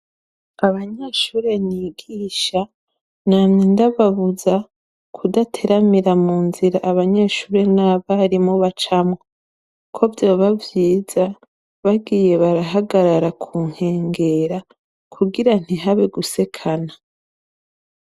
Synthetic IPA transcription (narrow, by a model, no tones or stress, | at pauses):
aβaɲeʃuːɾe̞niːɡiːʃa | naːmnindaβaβuza | kʰudatʰe̞ɾamiɾamuːnziɾaʔaβaɲe̞ːʃuːɾe̞naβaɾimoβat͡ʃamwo | kʰo̞vjo̞βavjiːza | βaɡiːje̞βaɾaɦaɡaɾaɾakʰuːŋ̥he̞ːŋɡe̞ɾa | kʰuɡiɾan̥iɦaβeɡuse̞kʰana